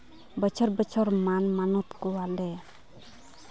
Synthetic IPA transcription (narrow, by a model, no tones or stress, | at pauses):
bət͡ʃʰɔɾbət͡ʃʰɔɾmanmanut̪kɔwalɛ